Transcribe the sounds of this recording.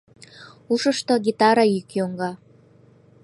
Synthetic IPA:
uʃəʃt̪oɡit̪ɑɾɑjykjoŋɡɑ

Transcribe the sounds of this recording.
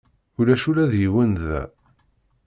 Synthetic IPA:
ʊɾæʃuɾæðjiwənðæ̰

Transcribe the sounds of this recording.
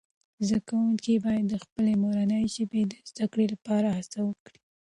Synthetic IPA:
zd̪akawuŋkibɑjad̪ːəxpəlemoɾanəjʒəbed̪əzd̪akɽelapɑɾahasawəkɽi̥

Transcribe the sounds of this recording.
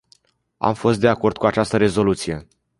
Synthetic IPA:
a̰mfo̞st̪̚d̪e̞ako̞rd̪̥̚kuat͡ʃast̪əɾe̞zo̞lut̪sije̞

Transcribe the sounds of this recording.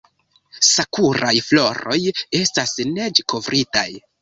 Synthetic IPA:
sakuɾajflo̞ɾo̞je̞stasne̞d͡ʒeko̞vɾʔita̰j

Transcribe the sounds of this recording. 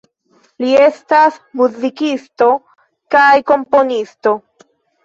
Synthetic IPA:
lie̞stasmuzikisto̞ | kajko̞mpo̞nisto̞

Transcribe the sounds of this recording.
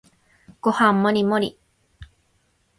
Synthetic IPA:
kohamoɾimoɾi

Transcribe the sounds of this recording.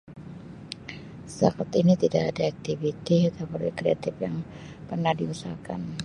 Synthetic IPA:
sakat̪init̪idaʔadaak̚t̪ivit̪iat̪awparɛkɾeat̪ɪpjaŋ | pərnahdiusaka̰n

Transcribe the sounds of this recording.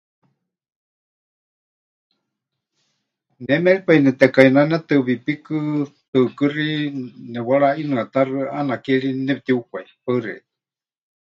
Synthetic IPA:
nɛmɛɺipainɛt̪ɛkainanɛt̪ɨβipikɨt̪ɨkɨrinɛwaɺainɨat̪arɨanakɛɺinɛp̚t̪iukʷaipaɨrɛ̰t̪

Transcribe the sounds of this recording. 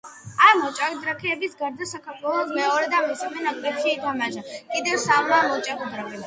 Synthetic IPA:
amɔt͡ʃʼaɣid̪ɾakʰɛːbisɡaɾd̪asakʰaɾt̪ʰwɛlˠɔsmɛɔɾɛd̪amismɛnakʼlɛt̪ʰiɛid̪amaʒakʼid̪ɛvsalamɔt͡ʃʼaɣɔd̪ɾakʰɛ

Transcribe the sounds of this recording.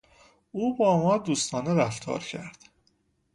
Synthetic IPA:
uːbɒːmɒːd̪uːst̪ʰɒːneɾæft̪ʰɒ̰ːɾcʰæɾd̪̥

